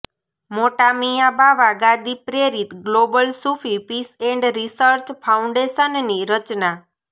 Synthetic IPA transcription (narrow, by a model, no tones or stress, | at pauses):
moʈamijabʱaʋaɡad̪ipɾeɾit̪ɡlobəlsufʰipiseɳɖɾisəɾt͡ʃpʰauɳɖeʃənniɾət͡ʃna